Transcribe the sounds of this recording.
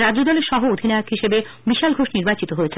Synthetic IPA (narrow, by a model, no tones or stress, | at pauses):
ɾad͡ʑod̪ɔleɾʃɔɦood̪ʱinajakɦiʃebe | biʃalɡʱoʃniɾbat͡ɕit̪oɦoet͡ɕʰe